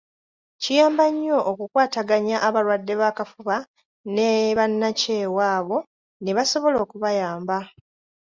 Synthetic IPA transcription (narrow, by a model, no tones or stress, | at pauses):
cijaːmbaɲːo̞ʔːkukwaːtaɡaɲaʔːβalwadːe̞βaːkafuβa | neβanːace̞ːwaːβo̞ | neβaso̞βo̞lo̞ːkuβajaːmba